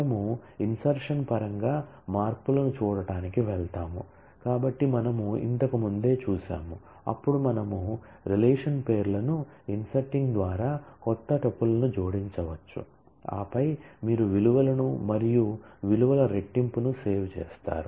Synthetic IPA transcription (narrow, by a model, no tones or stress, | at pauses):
ɐɐmuinsɐɾʂɐnpɐɾɐŋɡaː | maːɾpulɐnut͡ʃuːɽɐʈaːnikiʋɛɭt̪aːmu | kaːbɐʈːimɐnɐmuḭnt̪ɐkɐmund̪e̞ːt͡ʃuːsa̰ːmu | ɐ̰pːuɽumɐnɐmu | ɾileːʂɐnpe̞ːɾlɐnuinsɐɾʈːiŋɡd̪ʋaːɾaːkɔt̪ːɐʈɐpːulɐnud͡ʒo̞ːɽiɲt͡ʃɐʋɐt͡ʃːṵ | a̰ːpɐjmiːɾuʋiluʋɐlɐnumɐɾijuʋiluʋɐlɐɾe̞ʈːimpunuse̞ːʋt͡ʃɛ̰ːst̪a̰ːɾu